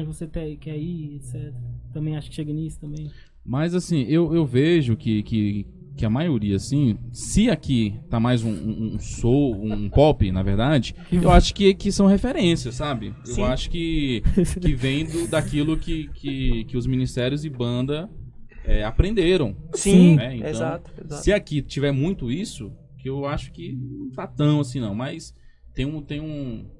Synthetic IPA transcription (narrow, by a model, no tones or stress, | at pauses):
voset̪ɛkɛiesɛt̪ɐt̪ɐ̃mbẽj̃aʃʊ̥kɪʃeɡɐnisʊ̥t̪ɐ̃mbẽj̃ | mɐzasĩʔewewveʒʊkɪkɪ | kɪɐmajoɾiɐsĩsɪakit̪amajzũũũsoũũpɔpɪnɐvḛɾd̪ad͡ʒɪ | ewaʃʊ̥kɪkɪsɐ̃w̃hefeɾẽsiɐsːabɪ | eaʃʊ̥kɪ | kɪvẽj̃d̪ʊd̪akilʊkɪkɪkɪʊzmĩnist̪ɛɾjʊzɪbɐ̃nd̪ɐ | ɛapɾẽnd̪eɾɐ̃w̃sĩnɛẽtẽãt̪ʊessɪakit͡ʃivɛɾmũj̃t̪ʊisʊ | kɪewaʃʊ̥kɪnɐ̃w̃t̪at̪ɐ̃w̃as̬ĩnɐ̃w̃mɐjs | t̪ẽj̃ũt̪ẽj̃ũ